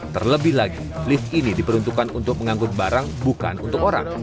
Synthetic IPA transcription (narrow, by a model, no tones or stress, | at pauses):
t̪ərləbɪɦlaɡi | lɪfinidipəɾunt̪ukanunt̪ʊk̚məŋaŋɡʊt̪̚baɾaŋbuka̰nunt̪ʊkoɾa̰ŋ